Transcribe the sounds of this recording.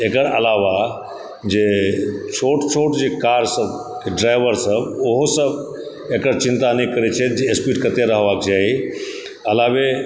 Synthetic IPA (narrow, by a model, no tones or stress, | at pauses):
ekəɾɐlaʋa | d͡ʒet͡ʃʰoːʈt͡ʃʰoːʈd͡ʑekaːɾsəb | eɖɾaːɪʋəɾsəbʊɦosəb | ekəɾt͡ʃɪ̃nt̪anikəɾet͡ʃʰet̪̚d͡ʒeːspiʈkɐt̪eɾəɦʋakd͡ʒaːi | ɐlaːʋe